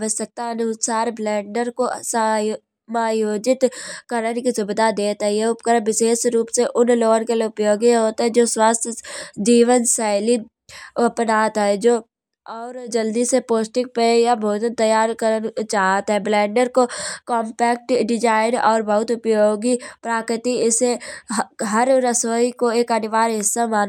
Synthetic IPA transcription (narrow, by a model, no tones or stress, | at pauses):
ʋəssək̚t̪aɐnʊsaːɾblɛ̃ːɳɖəɾkosə | maːjoːd͡ʒɪt̪kəɾənkisʊbɪd̪ʱad̪eːt̪ɦɛjeʊpkəɾʋɪʃeːʃɾuːpseʔʊnloːɡonkelʊpjoːɡiɦoːt̪aɦɛd͡ʒoːswaːst̪ʰjd͡ʒiːʋənsaːɪli | əpnaːt̪ɦɛd͡ʒoː | ɔːɾd͡ʒəld̪isepoːsʈɪk̚pejabʱoːt̪ənt̪əjaːɾkəɾənt͡ʃaːɦət̪ɦɛblɛ̃ːɳɖəɾkokɔ̃ːmpɛːk̚ʈɖɪd͡ʒaːɪnɔːɾbɐɦʊt̪ʊpjoːɡipɾaːkɾɪt̪iɪse | ɦɐɾɾəsoːikoeːkənɪʋaːɾɦɪsːamaːn